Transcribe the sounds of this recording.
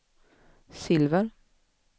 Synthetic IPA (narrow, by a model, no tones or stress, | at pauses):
sɪlvəɾ